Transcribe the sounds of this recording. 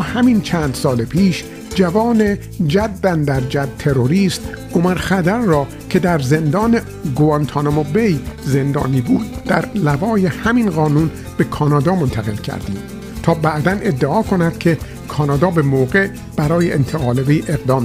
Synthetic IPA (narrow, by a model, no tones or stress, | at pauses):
hæmint͡ʃʰænd̪sɒːlepʰiːʃ | d͡ʒævɒːne̞ | d͡ʒæd̪ːænd̪æɾd͡ʒæd̪̚t̪ʰe̞ɾoɾiːst̪ʔomæɾxæd̪æɾːɒː | kʰe̞d̪æɾze̞nd̪ɒːne | ɡoɑnt̪ʰɑːnomobejze̞nd̪ɒ̰ːniːbuːd̪̚ːæɾlævɒːje̞hæminɢɒːnuːn | b̥e̞kʰɒːnɒːd̪ɒːmont̪ʰæɣe̞̰lcʰæ̰ɾd̪ḭːm | t̪ʰɒːbæʔd̪ænʔe̞d̪ːeɒːkʰo̞næd̪̥kʰe̞ | kʰɒːnɒːd̪ɒːbe̞moːɣe | b̥æɾɒːjeʔent̪ʰeɣɒːlevejʔe̞ɣd̪ɒːm